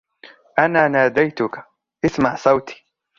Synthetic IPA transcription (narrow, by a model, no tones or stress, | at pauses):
ʔanaːnaːd̪ajt̪ʊkḁ | ʔɪsmaʕsˤɑwt̪ʰi̥ː